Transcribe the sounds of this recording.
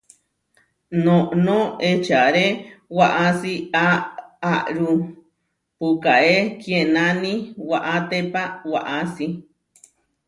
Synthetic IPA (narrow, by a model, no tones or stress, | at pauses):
nõʔnõet͡ʃaɾewaʔasiaaʔɾu | pukaʔekjenãnĩwaʔat̪epawaʔasi